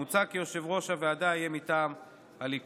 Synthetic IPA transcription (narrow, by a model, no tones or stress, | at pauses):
ut͡sakijo̞ʃe̞vʁo̞ʃaveadajemit̪aːm | alip